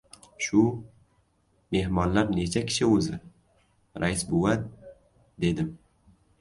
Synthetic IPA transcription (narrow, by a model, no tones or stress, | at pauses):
ʃʊ | me̞hmɒnlaɾne̞t͡ʃʰakʲʰɪ̥ʃɪɵzɪ | ɾʔaɪsboat̪̚ | d̪e̞d̪ɪm